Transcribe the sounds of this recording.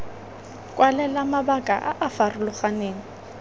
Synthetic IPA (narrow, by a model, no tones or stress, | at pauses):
kʼwʔalɛlamabakʼa̰ʔa̰ʔafarʊlʊχaneːŋ̩